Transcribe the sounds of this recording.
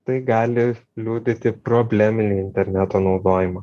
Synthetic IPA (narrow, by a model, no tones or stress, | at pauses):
t̪ɐɪɡɑːlʲɪlʲuːd̪ʲɪt̪ʲɪpɾoːbʲlʲæːmʲɪnʲiːɪnʲt̪ʲɛɾʲnʲæt̪oːnɒʊd̪oːjɪmɐ